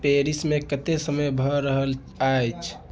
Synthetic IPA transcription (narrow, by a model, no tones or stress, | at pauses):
peɾismekət̪esəməjbʱəɾəɦəl | ajt͡ʃʰ